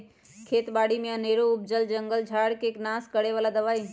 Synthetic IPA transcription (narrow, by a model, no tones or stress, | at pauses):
kʰeːt̪baːɽimẽəneːɾoʊb̚d͡ʒəld͡ʒə̃ŋɡəld͡ʒʱaːɽkeːknaːskəɽeʋaːlad̪əʋaːi